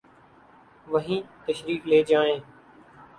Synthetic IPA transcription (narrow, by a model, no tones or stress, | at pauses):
ʋəɦĩːt̪əʃɾiːkleːd͡ʒaːẽː